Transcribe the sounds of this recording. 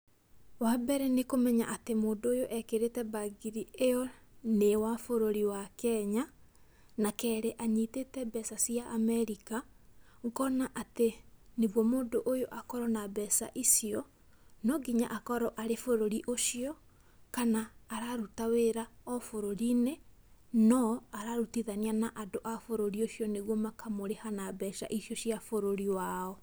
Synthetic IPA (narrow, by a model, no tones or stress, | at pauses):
wabɛɾɛnekomɛɲa̰ʔatemoːndojoʔɛkeɾetɛbaɡiɾieɔnewafoɾoɾiwakɛɲa | nakɛːɾeʔaɲitetɛbɛsasijaʔːmɛɾika | ŋkɔnaʔateneβwɔmoːndoʔojoʔakɔɾɔnabɛsa̰ʔisiɔ | nɔɡiɲa̰ʔakɔɾɔʔaɾefoɾoɾiʔoʃiɔ | kanaːɾaɾutaweɾaɔfoɾoɾinenɔaɾaɾutiðanianaʔadoʔafoɾoɾioʃjɔneɣwɔmakamoɾehanabɛsa̰ʔisiɔɕiafoɾoɾiwaɔ